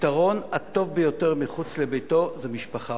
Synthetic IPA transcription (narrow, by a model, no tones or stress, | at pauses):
t̪aʁo̞nato̞vbejoteʁmiχut͡slebejto̞zemiʃpaχa